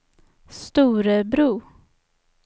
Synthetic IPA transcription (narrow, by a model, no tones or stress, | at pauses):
st̪uːɾəbɾuː